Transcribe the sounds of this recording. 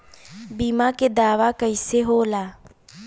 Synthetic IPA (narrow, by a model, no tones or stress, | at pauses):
biːmaːked̪aːʋaːkəiseːɦoːlaː